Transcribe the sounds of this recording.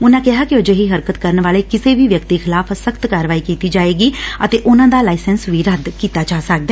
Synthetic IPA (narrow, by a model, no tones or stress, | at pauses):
ʊnãːkɪɦaːkiʊd͡ʒeɦiːɦəɾkət̪kəɾənʋaːleːkɪseːʋiːʋjəkt̪ixʰɪlaːfʰəsəkt̪kaːɾəʋaːiːkiːt̪iːd͡ʒaːeːɡiːət̪eːʔʊnãːd̪aːlaːɪsɛnsʋiːɾəd̪kiːt̪aːt͡ʃaːsək̚d̪ɛː